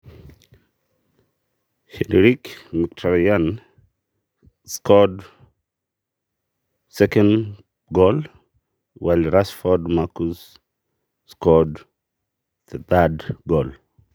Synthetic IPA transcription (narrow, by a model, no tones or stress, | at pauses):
hɛdɾikmik̚tʰɔɾian | skɔd | sɛkɛn | ɡɔl | walɾasfɔdmakus | skɔd | ð̥ɛθadɡɔl